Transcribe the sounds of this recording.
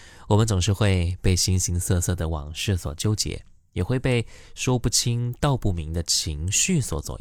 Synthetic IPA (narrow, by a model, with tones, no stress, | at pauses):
wɔ˨˩mə˦nt͡sʊ˨˩ŋʂ̬ɻ̩˥˧xwe˥˧ɪpe˥˩ɪɕi˧˥ŋɕi˧˥ŋsɤ˥˧sɤ˥˩d̪ə˩wɑ̰˨˩ŋʂɻ̩˥˩swɔ̰˨˩t͡ɕjo˥ʊt͡ɕjɛ̰˧˥ | jɛ˨˩xwe˥˧ɪpe˥˩ɪʂwɔ˥pu˥˩t͡ɕʰi˥ŋt̪ɑ˥˧ʊpu˥˩mi˧˥ŋd̪ə˧t͡ɕʰi˧˥ŋɕy˥˩swɔ˨˩t͡swɔ̰˨˩